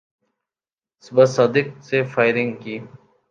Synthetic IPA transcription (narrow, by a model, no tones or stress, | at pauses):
sbɐsaːd̪ɪk̚sefaːɪɾɪŋɡkiː